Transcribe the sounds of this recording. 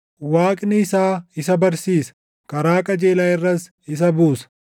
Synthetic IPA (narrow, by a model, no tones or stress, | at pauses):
waːkʼnɪɪsaːɪsɐbɐɾsiːsɐ̥ | kɐɾaːkʼɐd͡ʒeːlaːɪrːɐs | ɪs̬ɐbuːsɐ̥